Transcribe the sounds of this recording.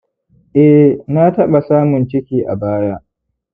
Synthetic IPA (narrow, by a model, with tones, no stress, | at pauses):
ʔɛ˦hna˦tɐ˦ɓa˨saː˦mʊ˨nt͡ʃɪ˦kʲiː˨ʔa̰˨baː˦jaː˦